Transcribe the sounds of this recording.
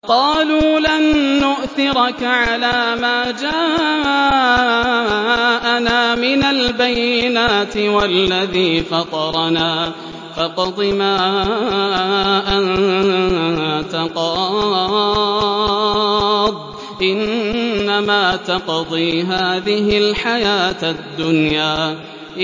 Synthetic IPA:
qɑːluːlanːʊʔθɪɾɑkaʕalaːmaːd͡ʒaː | ʔanaːmɪnalbajːɪnaːt̪ɪwalːaðiːfɑt̪ˤɑɾˤɑnaː | fɑqɑd̪ˤɨmaː | ʔan | t̪ɑqɑ | d̪̚ˤ | ʔɪnːamaːt̪ɑqd̪ˤiːɦaːðɪɦɪlħajaːt̪ad̪ːʊnjaː

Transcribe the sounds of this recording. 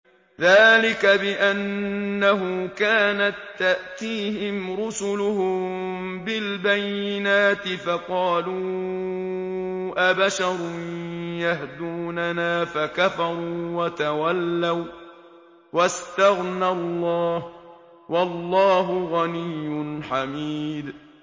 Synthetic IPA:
ðaːlɪkabɪʔanːaɦʊkaːnat̪ːaʔt̪iːɦɪmɾʊsʊlʊhʊmmbɪlbajːɪnaːt̪ɪfɑqɑːluː | ʔabaʃɑɾˤʊnnjaɦd̪uːnanaːfakafɑɾˤuːwat̪awalːaw | wast̪aɣnalˤːɑːh | wɑlːɑːɦʊɣanɪjːʊnħamiːd̪

